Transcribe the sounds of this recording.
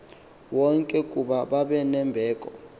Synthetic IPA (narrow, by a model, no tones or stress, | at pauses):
wɔŋkʼɛkʼuɓaɓaɓɛnɛmbʱɛːkʼɔ